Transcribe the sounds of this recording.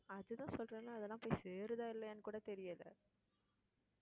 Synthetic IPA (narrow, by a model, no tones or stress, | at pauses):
ɐðɯt̪ãːsɔlrẽːnaːɐðɛlːãːpoːjseːɾɯðaːɪlːɐɐnːɯkːuːɽɐt̪ɛɾɪjɐlɐ̰